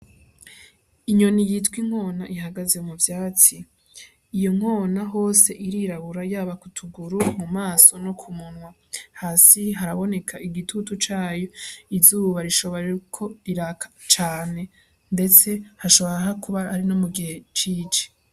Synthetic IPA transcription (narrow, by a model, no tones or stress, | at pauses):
iɲo̞nijitwiŋ̥ho̞ːnaʔiɦaɡaze̞muvjaːt͡siː | jo̞ŋ̥o̞ːnaɦo̞ːse̞ʔiɾiɾaβuɾajaːβakutʰuɡuɾumumaːso̞nokʰumunwa | haːsiɦaɾaβo̞ne̞kʰaʔiɡitʰutut͡ʃaːjo̞izuːβaɾiʃo̞βoɾeukʰo̞iɾakʰḁt͡ʃaːne̞ | nde̞t͡se̞haʃo̞βoɾaɦakuβaaɾinomuɡihe̞t͡ʃiːt͡ʃe̥